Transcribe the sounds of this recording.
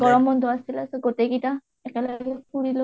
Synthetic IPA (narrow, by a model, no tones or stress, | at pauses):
ɡɔɹɔmɔndʱɔasilasɛɡotekita | ɛkɛlaɡɛkuɹilo